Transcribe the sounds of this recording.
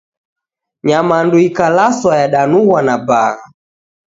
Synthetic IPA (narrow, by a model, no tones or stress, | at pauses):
ɲamanduikalaswajaɗanuɣwanabaɣa